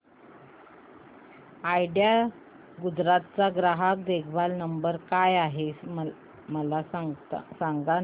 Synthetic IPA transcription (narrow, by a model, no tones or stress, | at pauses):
ajɖja | ɡud͡zɾat̪̚t͡saɡɾaɦak̚d̪ekʰbalnəmbəɾkajaɦe | məla | saŋɡa